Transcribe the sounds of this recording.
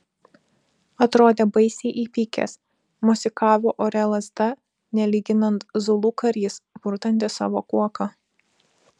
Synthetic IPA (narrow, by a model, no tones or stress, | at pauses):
ɐt̪ɾoːd̪ʲeːbɐɪsʲɛːʔiːpʲiːkʲɛ̰s | mʊsʲɪkɑːʋʲoːʔoɾʲɛlˠɐzd̪ɐ | nʲɛlʲiːɡʲɪnɐnt̪zʊlˠuːkɐɾʲiːsb̥ʊɾt̪ɐnʲt̪ʲɪsɑ̰ːʋoːkuɔkɑ